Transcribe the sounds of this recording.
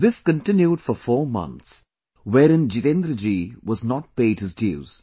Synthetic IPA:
ðɪskə̃nʈɪ̃njuɖfɔfɔːɾmʌ̰̃nt̪s | wɛːɾɪ̃nd͡ʒit̪ẽnd̪ɾəd͡ʒiʋɔznɔʈ̚peɪɖhɪzdḭz̥

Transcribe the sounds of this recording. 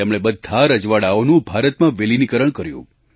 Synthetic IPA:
emɭ̃ebəd̪ʱːaɾəd͡ʒʋaɽaonũbʱaɾət̪mãʋelinikəɾəɳkəɾjṵ̃

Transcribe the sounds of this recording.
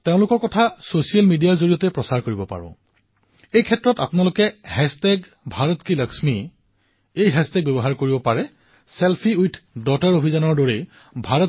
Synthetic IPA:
teʊ̃lʊkɔɹkɔtʰasosijalmidijaɹzoɹijɔtɛpɹɔsaɹkoɹibɔpa̰ɹɔ̰̃ | ejkʰɛtːɹɔta̰pʊnalʊkɛhɛstɛɡ | bʱaɹɔtkɹiləksmi | ejɦɛstɛɡ̚bɔbɔɦaɹkoɹibɔpaɹɛ | selpʰiujtʰdɔtaɹobʱizɔnɔɹdoɹe | bʱaɹɔt

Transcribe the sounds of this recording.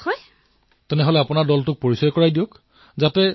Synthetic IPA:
hɔj | tɛnɛɦolɛapʊnaɹdɔltʊk̚poɹisɔjkɔɹajdijok | zatɛ

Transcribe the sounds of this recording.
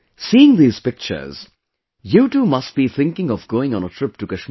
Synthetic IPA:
siːɪ̃ŋd̪iːz̥pɪk̚t͡ʃə̰˞z̥ | juːʈuːmʌst̚b̥iθʰɪ̃ŋkɪ̃ŋɔvɡoːɪ̃ŋɔ̃nətʰɹ̥ɪp̚ʈukəʃm

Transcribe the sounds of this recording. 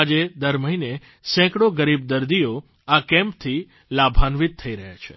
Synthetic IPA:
ad͡ʒed̪əɾməɦine | sɛ̃kɽoɡəɾib̚d̪əɾd̪ijo | akɛ̃mp̚t̪ʰi | labʱanʋit̪̚tʰːəiɾəɦja̰t͡ʃʰe

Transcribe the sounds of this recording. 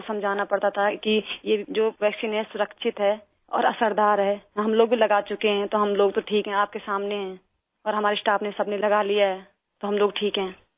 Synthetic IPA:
sɐ̃md͡ʒʱaːnapɐɽt̪at̪ʰakijed͡ʒoːʋɛːksiːnɦɛ̃sʊɾəkʃʰɪt̪ɦɛː | ɔ̰ːɾɐ̰səɾd̪aːɾɦɛːɦɐmloːɡ̚bʱilɐɡat͡ʃʊkeɦɛ̃t̪oɦɐmloːɡt̪oʈʰiːkɦɛ̃aːp̚kesaːmneɦɛ̃ː | ɔːɾɦɐmaːɾesʈaːpnesɐbnelɐɡalijaɦɛː | t̪oɦɐmloːɡʈʰiːkɦɛ̃ː

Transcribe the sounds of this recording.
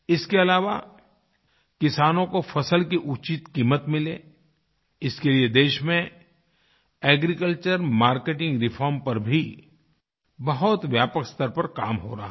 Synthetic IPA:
ɪskeɐlaːʋa̰ | kɪsaːnõkofʰɐsəlkiʔʊt͡ʃit̪kiːmət̪mɪleː | ɪskelied̪eːʃmẽ | ɛːɡɾikəlt͡ʃəɾmaːɾkeːʈɪ̃ŋɡɾɪfʰɔːɾmpɐɾbʱi | bɐɦʊt̪ʋjaːpəkst̪əɾpɐɾka̰ːmɦo̰ːɾɐɦa

